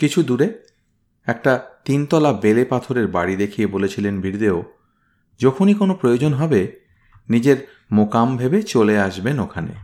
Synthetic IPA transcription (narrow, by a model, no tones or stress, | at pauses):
kit͡ɕʰud̪uɾe | ɛk̚ʈat̪int̪ɔlabelepat̪ʰoɾeɾbaɽid̪ekʰijebolet͡ɕʰilenbʱiɾd̪eo | d͡ʑɔkʰonikonopɾojod͡ʑonɦɔbe | nid͡ʑeɾ | mokambʱebet͡ɕoleaʃbenokʰanḛ